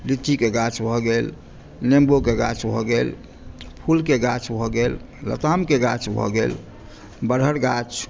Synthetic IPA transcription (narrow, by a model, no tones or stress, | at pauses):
lit̪ːikeɡat͡ʃʰbʱɔɡel | nembokeɡa̰t͡ʃʰbʱɔɡel | pʰulkeɡat͡ʃʰbʱɔɡel | lə̰t̪amkeɡat͡ʃʰbʱɔ̰ɡel | bəɽɦəɾɡat͡ʃ